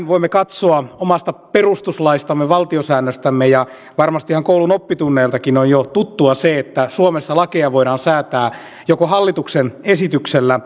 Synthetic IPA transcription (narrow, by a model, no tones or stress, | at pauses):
nʋoimːekɑt̪soɑomɑst̪ɑperust̪uslɑist̪ɑmːeʋɑlt̪iosæːnːøst̪æmːejɑ | ʋɑrmɑst̪ihɑŋkoulunopːit̪unːeːlt̪ɑkinonjot̪ut̪ːuɑseet̪ːæsuomesːɑlɑkeɑʋoiɾɑːnsæːt̪æː | jokohɑlːit̪uksenesit̪ykselːæ